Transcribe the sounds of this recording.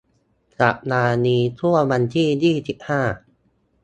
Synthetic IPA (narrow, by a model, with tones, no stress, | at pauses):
sa̰˨˩p̚naː˧niː˧t̪ʰu˥˩ɐwa˧nt̪ʰiː˥˩jiː˥˩si˨˩p̚haː˥˩